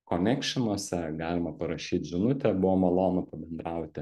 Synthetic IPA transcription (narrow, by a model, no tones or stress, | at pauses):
konʲɛkʃʲɪnuɔsʲɛɡɑːlʲɪmɐpɐɾɐʃʲiːt̪ʲʒʲɪnʊt̪ʲɛbʊʋoːmɐlˠoːnɐpɐbʲɛnd̪ɾɑˑʊt̪ʲɪ